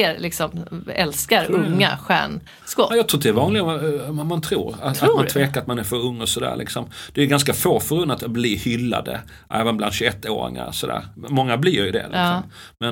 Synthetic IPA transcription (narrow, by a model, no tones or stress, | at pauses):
ɾlɪksɔmɛlskaɾɵŋːa̰ɧæ̰ːɳ | skɔjɑt̪ʰɾuːt̪ɛɾvɑːnlɪɡmant̪ʰɾṵːɾat̪at̪manʰveːkaat̪manæɾfœɾɵŋːɔsɔd̪æ̰ːɾlɪ̰ksɔmd̪̥ɛɾjɵɡanskafoːfœɾɵnːat̪abliːhʏlːa̰d̪ə̰ | ʔɛːvənbland̪ɕʉɵɛt̪ːo̰ːɾɪ̰ŋa̰ɾsɔd̪æ̰ːɾmmɔŋːablɪjʏd̪ɛ̰lɪ̰sɔm | mɛn